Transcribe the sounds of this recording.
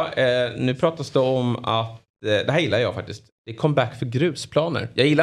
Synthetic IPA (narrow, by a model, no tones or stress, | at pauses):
nʉ̟ːpʰɾɑːt̪asd̪ɛɔmat̪ | d̪ɛɦæːjɪlːajɑːɡfak̚t̪ɪst̪d̪̥ɛkʰɔmːbækːfœɾɡɾʉ̟ːspʰlɑːnə̰ɾjɑɡjɪlːa